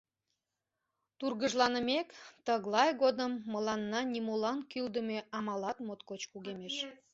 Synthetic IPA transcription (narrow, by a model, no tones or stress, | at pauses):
t̪urɣəʒlɑnəmekt̪əɣlɑjɣod̪əmːəlɑnːɑnʲimolɑnkyld̪əmeʔɑmɑlɑt̪mot̪kot͡ɕkuɣemeʃ